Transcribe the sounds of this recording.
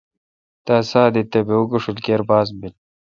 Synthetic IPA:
t̪asaːd̪it̪ebeuɡuʂulkeɾbaːs̬bil

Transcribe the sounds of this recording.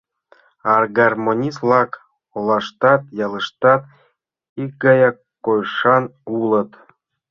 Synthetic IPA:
ɑrɡɑrmonʲislˠɑk | olˠɑʃt̪ɑt̪̚jɑlˠə̆ʃt̪ɑt̪̚ | ik̚ɡɑjɑ | kːojʂɑnulɤ̆t̪

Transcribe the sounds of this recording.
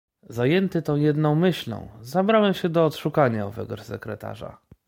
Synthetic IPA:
zajɛnt̪ɘt̪ɔ̃w̃jɛd̪nɔ̃w̃mɘɕlɔ̰̃w̃zabɾawɛmɕɛd̪ɔːt̪ʂukaɲaɔvɛ̰ɡɔsɛkɾɛt̪a̰ʐa̰

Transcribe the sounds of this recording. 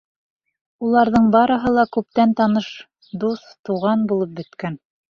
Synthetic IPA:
ulˠɑɾðɤɴbɑɾɤ̆ɦɤlˠɑkʉp̚t̪ænt̪ɑnɤʃ | d̪ust̪uʁɑnbulˠɤp̚bɘ̆t̪kæn

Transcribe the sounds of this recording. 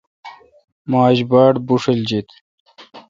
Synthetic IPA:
maːʑbaːʈbuʂeld͡ʑit̪

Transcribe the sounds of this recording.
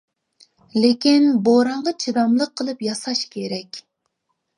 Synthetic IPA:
lekʲinboɾɑɴʁɑt͡ʃʰid̪ɑmlˠəqʰːəlˠɨpjɑsɑʃkʲʰeɾɛkʲ

